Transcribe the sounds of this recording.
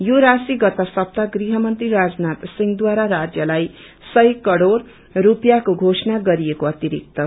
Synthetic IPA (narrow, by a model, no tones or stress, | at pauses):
joɾasiɡʌt̪ʌsʌp̚t̪aɡriɦʌmʌnt̪riɾad͡znat̪siŋɡd̪waɾaɾad͡zjʌlaj | sʌjkʌɽoɽː | upjakoɡʱosnaɡʌɾijekoʌt̪iɾḭk̚t̪ʌ